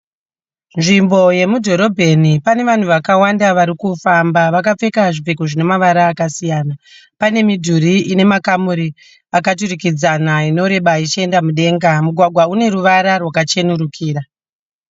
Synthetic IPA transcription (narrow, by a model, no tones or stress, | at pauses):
nʐimbo̞je̞mudʱo̞ɾo̞bʱe̞nipane̞ʋan̤uʋakawandaʋaɾikufambaʋakap͡fe̞kaʐip͡fe̞kuʐine̞maʋaɾaːkasijaːna | pane̞midʱuɾiʔine̞makamuɾi | akat̬urikid͡zanaino̞ɾe̞ɓait͡ʃe̞ndamuɗe̞ːŋɡamuɡʱwaɡʱwaune̞ɾuʋaɾarwakat͡ʃe̞nuɾukʰiːɾa